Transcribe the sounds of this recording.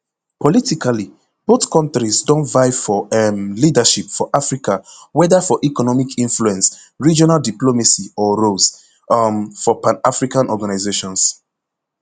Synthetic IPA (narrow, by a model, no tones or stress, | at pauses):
pɔlitikʰali | b̥oθkɔ̃ntɹisdɔ̃ntvaɪfɔɛmlidaʃipfɔʔafɹikawɛdafɔʔikɔnɔmikʰĩnfluɛ̃ns | ɹid͡ʒɔnaldiplomasiɔɹos | fɔpãnafɹikãnɔɡanaɪzeʃɔ̃ns